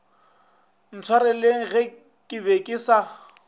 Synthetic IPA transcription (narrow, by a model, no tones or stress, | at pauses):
n̩t͡sʰwaɾɪleŋ̩ɣɛ | kʼɪbekʼisa